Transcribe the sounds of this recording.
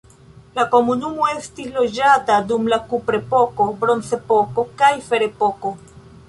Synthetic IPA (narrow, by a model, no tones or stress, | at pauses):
lako̞munumo̞e̞stislo̞d͡ʒatadumlakupɾe̞po̞ko̞bɾo̞nt͡se̞po̞ko̞kajfe̞ɾe̞po̞ko̞